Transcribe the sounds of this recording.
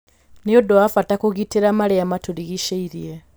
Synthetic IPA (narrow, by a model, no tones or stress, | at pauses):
niodoafatakuɣitiɾamaɾeamatuɾiɣiʃeiɾie